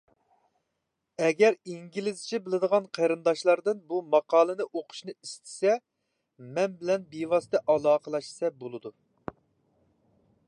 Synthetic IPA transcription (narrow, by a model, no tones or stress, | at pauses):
ɛɡʲɛɾiŋɡʲilɪzt͡ʃʰibɪlɪd̪əʁɑnqʰɑɾɨnd̪ɑʃlˠɑɾd̪ɨnbumɑqɑːlˠɨnɨʔoqʰʊ̥ʃnɨist̪ʰɪ̥sɛ | mɛnbɪlɛnbiwɑst̪ɛʔɑlˠɑːqəlˠɑʃsɛbolˠɨd̪u